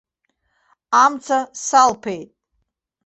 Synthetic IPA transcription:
amt͡sʰasalpʰejtʼ

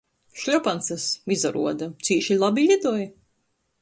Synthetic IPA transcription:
ʃlʲɔpansɐsmizaɾṵɔd̪at̪siːʃilˠabilʲid̪uɔj

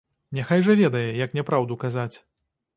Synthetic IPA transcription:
nʲɛxajʐɐvʲɛd̪ɐjɛjɐknʲɛpɾawd̪ukazat͡sʲ

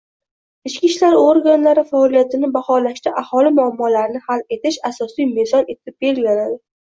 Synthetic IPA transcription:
ɪt͡ʃkʲiʃlaɾoɾɡanlaɾɪfaɒlijat̪ʰɪnɪbahɒlaʃt̪aʔahɒlɪmʊamːɒlaɾɪnɪhale̞t̪ɪʃasɒsijmezɒne̞t̪ʰɪp̚be̞lɡʲanad̪ɪ

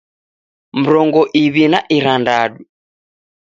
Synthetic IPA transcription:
m̩ɾɔŋɡɔʔiβinaʔiɾandaɗu

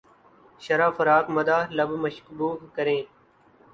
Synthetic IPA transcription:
ʃəɾaːfəɾaːkməd̪aːləbməʃkbuːkkəɾẽː

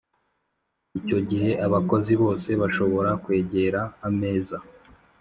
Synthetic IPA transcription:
ico̞ɟiɦe̞ʔaβako̞ziβo̞ːse̞βaʃo̞βo̞ɾakwe̞ːɟe̞ɾaːme̞ːza

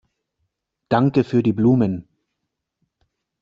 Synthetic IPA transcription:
d̥aŋkəfyːɐdiːbluːmən

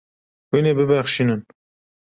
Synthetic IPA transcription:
wineːbɨbæxʃiːnɨn

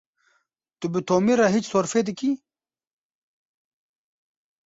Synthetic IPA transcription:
t̪ubit̪oːmiɾaɦit͡ʃsoɾfed̪iki

